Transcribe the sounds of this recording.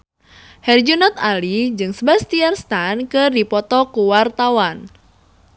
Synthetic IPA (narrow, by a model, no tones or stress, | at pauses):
hɛrd͡ʒunɔt̪̚alid͡ʒɨŋsbast̪iarst̪ankɨrdipɔt̪ɔkuwart̪awan